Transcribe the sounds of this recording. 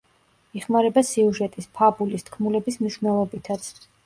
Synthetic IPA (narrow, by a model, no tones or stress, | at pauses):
iχmaɾɛbasiuʒɛt̪ʼispʰabulist̪ʰkʰmulɛbismniʃvnɛlˠɔbit̪ʰat̪sʰ